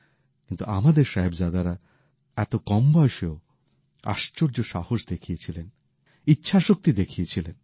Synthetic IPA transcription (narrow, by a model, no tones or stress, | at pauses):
kint̪uʔamad̪eɾʃaɦebd͡ʑad̪aɾa | ɛt̪okɔmbɔjeʃeo | a̰ʃt͡ɕoɾd͡ʑoʃahoʃd̪ekʰijet͡ɕʰilen | itːɕʰaʃok̚t̪id̪ekʰijet͡ɕʰilen